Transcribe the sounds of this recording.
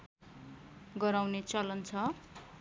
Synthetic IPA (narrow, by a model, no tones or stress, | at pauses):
ɡʌɾawnet͡sʌlʌnt͡sʰʌ